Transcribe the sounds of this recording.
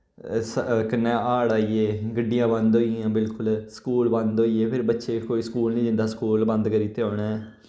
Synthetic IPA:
səkɪnːẽːʔaːɽaːieːɡəɖːijãːbə̃nd̪ɦoːiãːbɪlkʊlskuːlbə̃nd̪ɦoːiːeːpʰɪɾbətːʃeːkoːiːskuːlnĩːd͡ʒ̪ɪ̃nd̪aːskuːlbə̃nd̪kəɾiːt̪eːõːɳɛ̃ː

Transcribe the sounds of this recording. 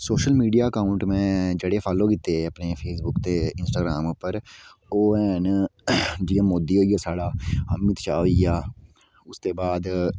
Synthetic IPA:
soːʃəlmiːɖijaːəkaːʊɳʈmɛ̃ːd͡ʒeːɽeːpʰaːloːkɪt̪ːeːəpneːpʰeːsbʊkt̪eːɪnsʈaːɡɾaːmpəɾoːɛːn | d͡ʒɪːãːmoːd̪iːɦoːijaːsaːɽaːɦəmɪt̪t͡ʃaːoːijaː | ʊst̪eːbaːd̪

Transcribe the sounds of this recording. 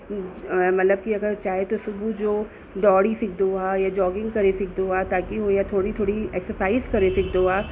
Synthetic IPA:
mɐt̪ləb̚kiɐɡəɾt͡ʃaːɦet̪osʊbʱud͡ʒoː | ɖɔːɽisɪkʰd̪oajad͡ʒɔːɡɪ̃ŋɡkɐɾesɪkʰd̪oat̪aːkiɦojat̪ʰoːɽit̪ʰoːɽiɛːksəɾsaːizkɐɾesɪkʰd̪oaː

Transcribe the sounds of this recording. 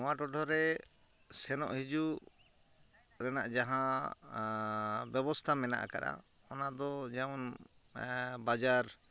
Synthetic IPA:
ɔ̃waʈɔʈʰɔɾɛ | sɛnɔ̰ʔɦid͡ʒu | ɾɛnaʔd͡ʒaɦã | bjɛbɔst̪ʰamɛna̰ʔa̰kaɾa̰ | ɔnad̪ɔd͡ʒɛmɔn | bad͡ʒaɾ

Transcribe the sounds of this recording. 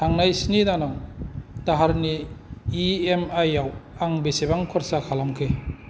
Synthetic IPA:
tʰaŋnajsinidanaŋtaɦaɾniː | emajawaŋbesebaŋkʰɔɾsakʰalamkʰɯ

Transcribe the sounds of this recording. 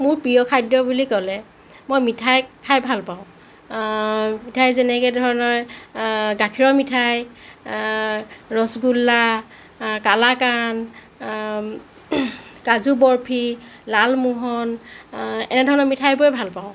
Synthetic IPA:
mʊɹpɹijɔkʰajdɔbulikɔlɛ | mojmitʰajkʰajbʱalpaʊ̃ | mitʰajzɛnɛkɛdʱɔɹɔnɔɹ | ɡakʰiɹɔmitʰaj | ɹɔsɡulːa | kalakan | kazubɔɹpʰilalmuɦɔn | ɛ̰nɛdʱɔɹɔnɔmitʰajbojbʱalpaʊ̃

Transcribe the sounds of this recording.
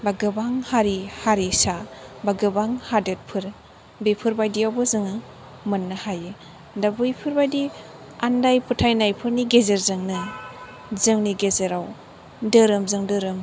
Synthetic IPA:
baɡɯbaŋhaɾihaɾisabaɡɯbaŋhadɯt̚pʰɯɾ | bijpʰɯɾbajdiawbɯzɯŋɯ | mɯnːɯhajɯ | dabɯjpʰɯɾbajdi | andajpʰutʰajnajpʰɯɾniɡezeɾzɯŋnɯ | zɯŋniɡezeɾaw | dɯɾɯmzɯŋdɯɾɯm

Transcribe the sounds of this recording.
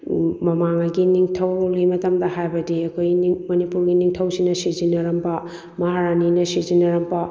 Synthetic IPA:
mɐmaŋɐɡiniŋtʰɐwlimɐtɐmdɐhajbɐdiɐkʰojniŋmɐnipuɾɡiniŋtʰɐwsinɐsizinɐɾɐmbɐ | mɐɦaɾaninɐsizinɐɾɐmbɐ

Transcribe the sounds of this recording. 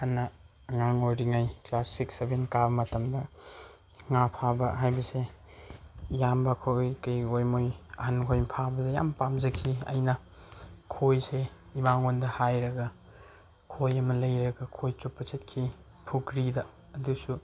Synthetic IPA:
hɐnːɐː | ŋaŋojɾiŋajklasiksebenkabɐmɐtɐmdɐ | ŋapʰabɐɦajbɐse | jambɐkʰojkɐjojmojɐhɐnkʰojmpʰabɐdɐja̰mpamzɐkʰiɐ̰jnɐ | kʰojse | ibaŋondɐhajɾɐɡɐ | kʰojɐmɐlɐjɾɐɡɐkʰojt͡ʃupːɐt͡ʃet̚kʰi | pʰukɾidɐː | dusu

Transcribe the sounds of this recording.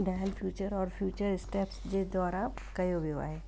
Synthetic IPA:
ɖaːlpʰjuːt͡ʃəɾɔːɾfʰjuːt͡ʃəɾɪsʈepsd͡ʒed̪ɔːɾa | kɐjoʋiʋa̰ɦɛː

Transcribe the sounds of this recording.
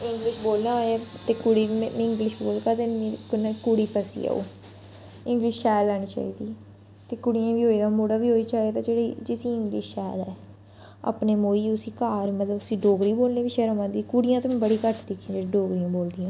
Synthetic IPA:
ɪ̃ŋɡlɪʃboːlnaːɦoːɛːt̪eːkʊɽiːɪ̃ŋɡlɪʃboːlkaːt̪eknkʊɽiːpəsḭa̰ːṵː | ɪ̃ŋɡliːʃʃɛːlːɛːñiːt͡ʃa̰ːḭːd̪iː | t̪eːkʊɽɪjãːʋiːɦoːiːd̪aːmoːɽaːʋiːɦoːiːt͡ʃaːiːaːt̪ãːd͡ʒeːɽed͡ʒɪsiːɪ̃ŋɡlḭːʃʃɛːlɛː | a̰ːpneːmoːiːʊsiːkaːɾmət̪ləbʊsĩːɖoːɡɾiːboːlneːʋiːʃɛɾoːʋãːd̪iːkʊɽɪjãːt̪oːm̃ːbəɽiːkəʈʰd̪ekʰːĩːd͡ʒeːɽeːɖoːɡɾijãːboːld̪ijãː

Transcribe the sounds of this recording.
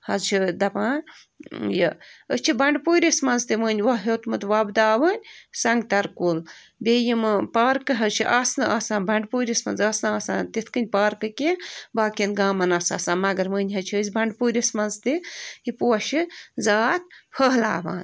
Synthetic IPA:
hɐzt͡ʃʰid̪ɐpãː | jɐ̰ət͡ʃʰibɐɳɖpuːɾʲismɐnzt̪iməːnʲʋɐɦot̪mɨt̪ʋɐbd̪aːʋənʲsɐŋɡt̪ɐɾkul | beːjimɨpaːɾkɨɦɐzt͡ʃʰiʔaːsnɨʔaːsãːnbɐɳɖpuːɾʲismɐ̰nzaːsnɨaːsaːnt̪it̪ʰkɨnʲpaːɾkɨkibaːkʲinɡaːmɐnaːsa̰ːsaːnmɐɡɐɾməːnʲɦɐt͡ʃʰəːzʲbɐɳɖpuːɾʲismɐnzt̪ɨipuɐʃizaːt̪̚pʰəɦla̰ːʋa̰ːn

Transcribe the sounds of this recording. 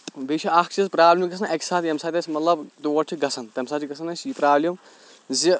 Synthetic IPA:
biːt͡ʃʰiɐkʰt͡ʃizpɾaːblʲimɡɐsʰɐnɐkʲsaːt̪jɐmsaːt̪ʲɐsʲmɐt̪lɐbd̪uːɐt͡ʃʰiɡɐsʰɐnt̪ɐmsaːt̪t͡ʃʰiɡɐsʰɐnɐsjipɾaːblʲim | zi

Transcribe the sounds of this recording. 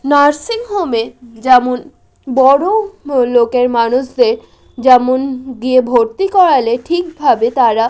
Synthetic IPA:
naɾsiŋɦomed͡ʑɛmon | bɔɽolokeɾmanuʃd̪eɾ | d͡ʑɛmonɡiebʱoɾt̪ikɔɾaleʈʰik̚bʱabet̪aɾa

